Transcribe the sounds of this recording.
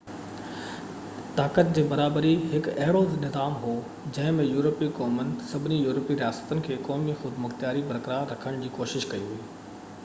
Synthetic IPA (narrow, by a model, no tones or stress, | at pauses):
t̪aːkət̪̚d͡ʑeːbɐɾaːbəɾiɦɪkɐɦɪɽoznɪzaːmɦoː | d͡ʑɐ̃ɦɪ̃mẽjuːɾəpikɔːmənɪ̆sɐbʱɪnijuːɾəpiɾijaːsə̥t̪ənɪ̆kʰeːkɔːmixʊd̪mʊxt̪jaːɾibɐɾkɾaɾɐkʰəɽ̃d͡ʑiːkoːʃɪʃkɐiɦuiː